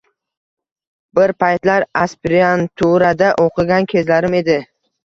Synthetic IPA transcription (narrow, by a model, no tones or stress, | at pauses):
bɪɾpʰajt̪laɾaspɾiant̪ʰuɾad̪aʔoqʰɨɡʲankʲʰe̞zlaɾɪme̞d̪ɪ